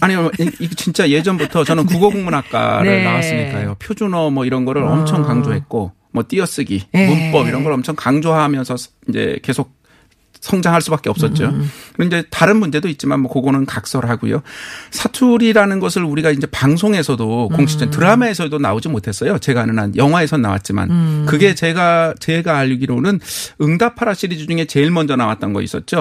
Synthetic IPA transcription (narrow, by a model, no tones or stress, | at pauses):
aɲimiɡt͡ɕint͡ɕ͈aje̞d͡ʑʌnbutʰʌt͡ɕʌnɯnkuɡoɡoŋmunak͈̚a̰nɾɯɭnawas͈ɯmɲik͈a̰jopʰjod͡ʑunʌmʌiɾʌnɡʌɾɯɾʌmt͡ɕʰʌŋkaŋd͡ʑoɦe̞t̚k͈o | mʌt͈iʌs͈ɯɡimump͈ʌbiɾʌnɡʌɾɭʌmt͡ɕʰʌŋkaŋd͡ʑoɦamjʌnsʰʌ | ind͡ʑe̞̰ke̞sʰok̚ | sʰʌŋd͡ʑaŋɦaɭs͈ubak͈eʌps͈ʌt̚t͡ɕ͈okɯinɲd͡ʑe̞taɾɯnmund͡ʑe̞doit̚t͡ɕ͈imanmwʌkoɡonɯnkak̚s͈ʌɾɯɭɦaɡṵjo̰sʰatʰuɾiɾanɯnɡʌsʰɯɾuɾiɡaind͡ʑe̞paŋsʰoŋe̞sʰʌdokoŋt͡ɕʰi̥d͡ʑʰʌŋtɯɾamaesʰʌdona̰od͡ʑimotʰe̞s͈ʌjot͡ɕe̞ɡanɯnanjʌŋɦwae̞sʰʌna̰wa̰t̚t͡ɕ͈ima̰nkɯɡe̞t͡ɕe̞ɡat͡ɕe̞ɡaːʎːɡiɾonɯnɯŋdapʰaɾaɕ͈ʰiɾid͡ʑid͡ʑuŋe̞t͡ɕe̞iɭmʌnd͡ʑʌnawa̰t͈̚ʌnɡʌ̰ḭs͈ʌt̚t͡ɕ͈o